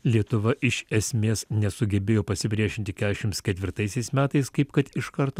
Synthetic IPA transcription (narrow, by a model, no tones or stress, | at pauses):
lʲiɛt̪ʊʋɐʔɪʃɛsʲmʲeːsnʲɛsʊɡʲɛbʲeːjoːpɐsʲɪpʲɾʲiɛʃʲɪnʲt̪ʲɪkʲæːd̪ʲɛʃʲɪmt̪skʲɛt̪ʲʋʲɪɾt̪ɐɪsʲɛɪsmʲæːt̪ɐɪskɐɪpkɐt̪ɪʃkɐɾt̪oː